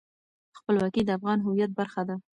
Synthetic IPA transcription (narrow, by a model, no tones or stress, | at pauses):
xpəlwɑkid̪əafɣɑnɦʊwijat̪̚baɾxad̪a